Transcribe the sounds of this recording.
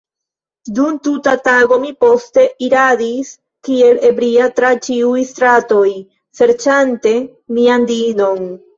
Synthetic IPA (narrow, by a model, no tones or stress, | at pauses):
d̪unt̪utat̪aɡo̞mipo̞st̪e̞ʔiɾad̪is | kie̞le̞bɾiat̪ɾat͡ʃiujst̪ɾat̪o̞j | se̞ɾt͡ʃant̪e̞ | miand̪ino̞n